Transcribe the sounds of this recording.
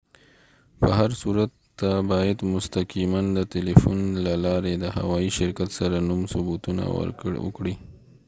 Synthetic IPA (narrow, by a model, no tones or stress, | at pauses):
pəɦaɾsuɾat̪ːabɑjad̪mʊst̪aqimand̪ət̪elifunlalɑɾed̪əha̰wɑjiʃɪɾkat̪saɾanumsʊbut̪una̰wə̰ɾkwə̰kɽi